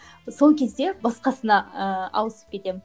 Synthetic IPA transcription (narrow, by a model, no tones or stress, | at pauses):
so̞lˠkʲʰe̞zd̪e̞bɑsqɑsənɑəɑ̰wəsə̥p̚kʲʰe̞t̪e̞mɪ